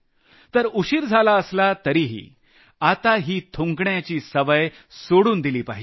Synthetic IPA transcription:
t̪əɾuɕiːɾd͡zʱalaəslat̪əɾiɦḭː | at̪aɦiːt̪ʰuŋɡɳjat͡ɕiːsəʋəj | soɽuːnd̪iliːpaɦid͡ʑe

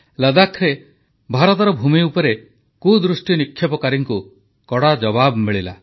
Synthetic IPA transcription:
lad̪akʰɾe | bʱaɾɔt̪ɔɾɔbʱumiupɔɾe | kud̪ɾusʈinikʰːjɔpɔkaɾiŋku | kɔɽad͡ʒɔbabmiɭila̰

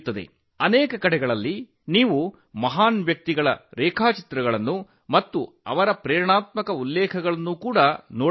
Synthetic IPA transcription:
t̪ːɐd̪ḛ | ɐnɛːkɐkɐɽɛɡɐɭɐlːi | niːʋu | mɐɦaːnʋjɐk̚t̪iɡɐɭɐ̰ɾɛːkʰaːt͡ʃi̥t̪ɾɐɡɐɭɐnːu | mɐt̪ːu | ɐ̰ʋɐɾɐpɾɛːɾɳaːt̪̚mɐkɐulːɛːkʰɐɡɐɭɐnːukuːɽɐnoː

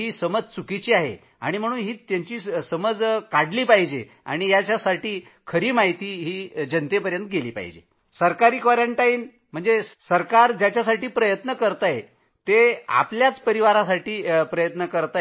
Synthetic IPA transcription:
iːsəməd͡zt͡sukit͡ɕiːaɦḛ | a̰ɽ̃im̤əɽ̃uːnɦiːt̪jaɲt͡ɕiːsəməd͡zkaɽliːpaɦid͡ʑe | a̰ɽ̃ijat͡ɕjasaʈiː | kʰəɾiːmaɦit̪iːɦiːd͡ʑənt̪epəɾjənt̪əɡeliːpa̰ɦḭd͡ʑḛ | səɾkaɾiːkʋaɾəɳʈaiːn | m̤əɳd͡zesəɾkaɾd͡ʑjat͡ɕjasaʈiːpɾəjət̪nəkəɾt̪aje | t̪ea̰pljat͡spəɾiʋaɾasaʈiːpɾəjət̪nəkəɾt̪a

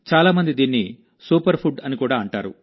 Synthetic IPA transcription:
t͡ʃaːlaːmɐnd̪id̪iːnːi | suːpɐɾpʰuɖɐnikuːɽaːɐɳʈa̰ːɾṵ

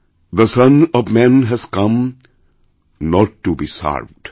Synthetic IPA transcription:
d̪əsʌ̃nɔʋmæ̃nɦæz̥kʌ̃m | nɔʈːubisa̰ɾʋɖ̥

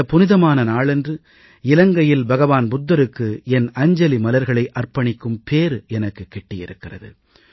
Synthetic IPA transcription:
ɐpʊnɪðɐmaːnɐnaːɭɛndrɯ | ɪlɐŋɡɐjɪlbɐɣɐʋaːnbʊd̪ːɐɾɯkːɯɛnɐɲd͡ʒɐlimɐlɐɾɣɐɭɐɪʔɐrpɐɳɪkːɯmpʰeːɾɯɛnɐkːɯkːɛʈːɪjɪ̰ɾɯkːɪrɐ̰ðɯ̰

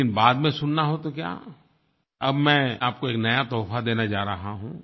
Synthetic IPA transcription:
ɪnbaːd̪mẽsʊnːaɦot̪okja̰ː | ɐbmɛ̃ːaːp̚koeːknɐjat̪ɔːfʰad̪eːnad͡ʒaːɾɐɦaɦũː

